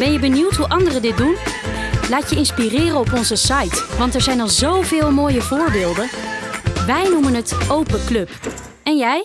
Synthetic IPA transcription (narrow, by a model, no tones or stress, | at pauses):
b̥ɛnjəbəniwtɦuʔɑndərədɪt̚dun | laːtjəɪnspirɪːrəɔpɔnzəsɑjtʋɑntɛɹzɛjnɑlˠzowvɪːlˠmoːjəvʊːɹbɪːlˠdən | ʋɛjnumənɦətowpəklɵp | ɛnjɛj